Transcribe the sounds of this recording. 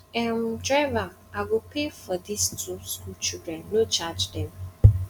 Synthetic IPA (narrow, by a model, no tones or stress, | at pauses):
ɛ̃m̩dɾava | aɡokefɔdistuskut͡ʃudɹɛ̃nnot͡ʃad͡ʒdɛ̃m